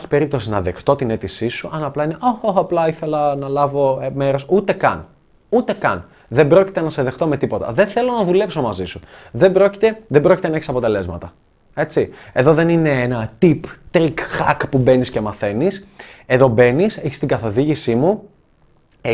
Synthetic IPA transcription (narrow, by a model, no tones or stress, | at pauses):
çi̥pe̞ɾip̚t̪o̞sinɐðe̞kt̪o̞t̪ine̞t̪isisuʔɐnɐplɐineʔoxoxɐplɐiθe̞lɐnɐlɐvo̞me̞ɾo̞sut̪e̞kɐn | ut̪e̞kɐn | ðe̞mbɾo̞cit̪enɐse̞ðe̞xt̪o̞me̞t̪ipo̞t̪ɐ̰ðenθe̞lo̞nɐðule̞pso̞mɐzisuðe̞bɾo̞ci̥t̪e̞ðebɾocit̪enɐeçisɐpot̪e̞le̞zmɐt̪ɐ | e̞t͡sie̞ðo̞ðe̞nine̞enɐt̪ipt̪ɾikxɐkpube̞nisce̞mɐθe̞nise̞ðo̞be̞niseçi̥st̪iŋɡɐθo̞ðiʝisimu